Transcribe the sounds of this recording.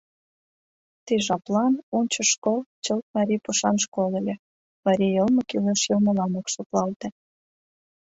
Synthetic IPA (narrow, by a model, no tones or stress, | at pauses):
t̪iʒɑplɑnonʲt͡ɕə̆ʃkolt͡ɕəlt̪̚mɑɾʲipuʃɑnʃkolelʲe | mɑɾʲijəlmə̆kyleʃjɤlmə̆lɑmokʃoklɑlt̪ĕ